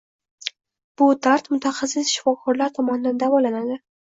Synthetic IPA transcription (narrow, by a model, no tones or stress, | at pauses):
b̥ʊt̪ʰaɾt̪mʊt̪ʰaχasːɪsʃɪ̥fɒkʰɒɾlaɾt̪ʰɒmɒnɪd̪and̪avɒlanad̪ɪ